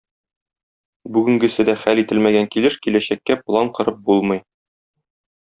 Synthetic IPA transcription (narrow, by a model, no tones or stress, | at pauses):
bʉɡɘ̆ŋɡɘ̆sɘd̪æχælit̪ɘlmæɡæŋkilɘʃkilæɕækːæplˠɑɴqɤ̆ɾɤp̚bulˠmɤ̆j